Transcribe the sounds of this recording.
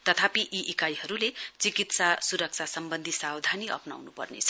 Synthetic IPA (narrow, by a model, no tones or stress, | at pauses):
t̪ʌt̪ʰapiʔiʔːkajɦʌɾulet͡sikit̪sasuɾʌk̚t͡sʰasʌmbʌnd̪ʱisawd̪ʱaniʔʌ̰pna̰wnupʌ̰rnḛt͡sʰʌ̥